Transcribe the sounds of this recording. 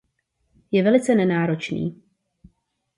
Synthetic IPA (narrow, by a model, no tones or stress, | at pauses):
jɛvɛlɪt͡sɛnɛnaːɾo̞t͡ʃnḭː